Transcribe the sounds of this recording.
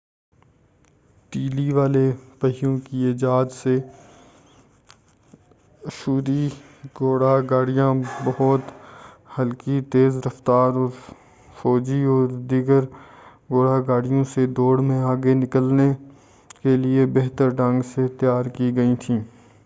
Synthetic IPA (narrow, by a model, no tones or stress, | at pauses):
ʈiːliʋaːlepəɦijõkieːd͡ʒaːd̪se | ʃuːɾi | ɡoːɽaɡaːɽijãbɐɦɔt̪ | hɐlkit̪eːzɾɐft̪aːɾɔːɾ | fɔːd͡ʒiɔːɾd̪iːɡəɾ | ɡoːɽaɡaːɽijõsed̪oːɽmẽaːɡenɪkəlne | keliebɛːɦt̪əɾɖə̃ŋɡset̪jaːɾkiɡɐit̪ʰĩː